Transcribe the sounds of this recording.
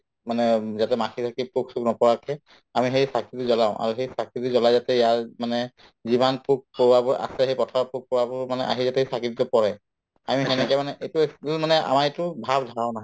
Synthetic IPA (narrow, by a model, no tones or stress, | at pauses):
manɛzatɛmakʰisʰakipuksuknɔpɔɹakʰɛ | amiɦejsakitizɔlaʊ̃ʔa̰ɹuxejsakitizɔlajzatɛjaɹmanɛ | zibanpuk̚powabɔa̰sɛxejpɔtʰapuk̚powabɔmanɛʔa̰ɦizatɛesakiditɔpɔɹɛ | amiɦɛnɛkɛjmanɛʔejtumanɛa̰maɹetʊbʱabdʱaanaɦɔ